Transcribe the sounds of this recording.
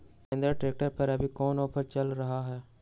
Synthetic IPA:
ẽnd̪ɾəʈɾeːk̚ʈəɾpɐɾɐbʱikɔːnɔːpʰəɾt͡ʃɐlɾɐɦaɦɛː

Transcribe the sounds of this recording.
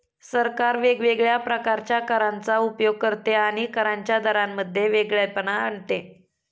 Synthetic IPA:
səɾkaɾʋeɡʋeɡɭjapɾəkaɾt͡ɕjakəɾant͡saupjoɡ̚kəɾt̪eaɽ̃ikəɾaɲt͡ɕjad̪ʱəɾamːəd̪ʱːjeʋeɡɭjapənaəɳt̪e

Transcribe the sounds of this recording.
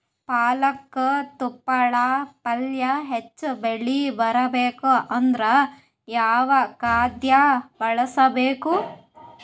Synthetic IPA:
paːlɐkːɐt̪upːɐɭɐpɐljɐɦet͡ʃːubeɭibɐɾɐbeːkuɐnd̪ɾɐ | jaːʋɐkaːd̪jɐbɐɭɐsɐbeːku

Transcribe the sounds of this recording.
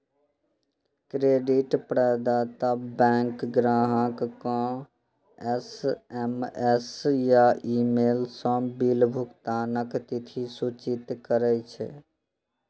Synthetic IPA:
kɾeːɖiʈpɾəːd̪at̪əbɛ̃ŋkɡɾaːɦãkkã | ɛsɛmɛsjaiːmeːlsə̃bilbʱʊkt̪anəkt̪it̪ʰisut͡ʃit̪kəɾɛt͡ʃʰḛ

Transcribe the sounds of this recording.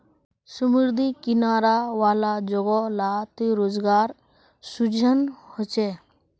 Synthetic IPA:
sumuɾd̪ʱikinaɾaʋaːlad͡ʒɔɡɔlat̪iɾoːd͡ʒɡaːɾ | sud͡ʒʱənhɔt͡ʃe

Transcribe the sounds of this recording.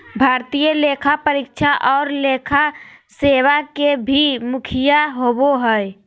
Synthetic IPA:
bʱaːɾt̪ijəlekʰapəɾikt͡ʃʰaʔɔːɾlekʰaseːʋakebʱimʊkʰijaɦoboɦəe

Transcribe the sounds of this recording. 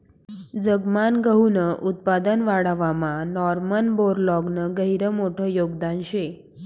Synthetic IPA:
d͡zəɡmanɡəɦunəʔut̪̚pad̪ənʋaɽəʋamãnɔɾmənboɾlɔɡnəɡəɦiɾəmoʈʰəːjoɡd̪anɕe

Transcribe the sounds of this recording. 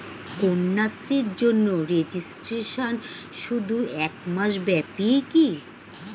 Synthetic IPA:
konːasɾiɾd͡ʑonːoɾed͡ʑisʈɾeʃon | ʃud̪ʱuɛkmaʃbɛpiki

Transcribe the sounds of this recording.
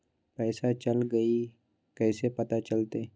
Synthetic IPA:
pɛːsat͡ʃɐlɡɐi | kɛːsepɐt̪at͡ʃɐlt̪eː

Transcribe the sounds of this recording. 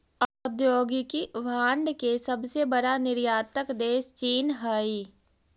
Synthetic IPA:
ɐd̪joːɡkiʋaːɳɖkesɐbsebɐɽanɪɾjaːt̪əkd̪eːʃt͡ʃiːnɦai

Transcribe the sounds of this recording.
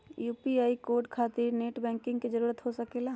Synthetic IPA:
juːpiaːikoːɾɖkʰaːt̪ɪɾneːʈbɛ̃ːŋkɪ̃ŋɡkid͡ʒəɾuːɾət̪ɦosəkelaː

